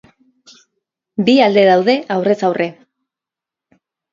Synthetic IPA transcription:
biald̪e̞ð̞awð̞e̞ʔawre̞t͡sawrʔe̞

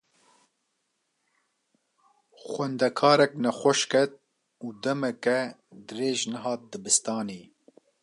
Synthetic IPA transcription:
xʷwɛnd̪ɛkʰɑːɾɛknɛxʷɛʃkɛt̪̚ | uːd̪ɛmɛkɛd̪ɨreːʒnɛɦɑːt̪̚d̪ɨbɨst̪ɑːniː

